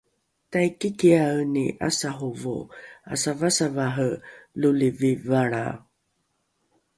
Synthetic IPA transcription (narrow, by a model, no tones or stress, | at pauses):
tajkikianḭʔa̰saɦuvo̰a̰savasavaɦəlulivivaɭa̰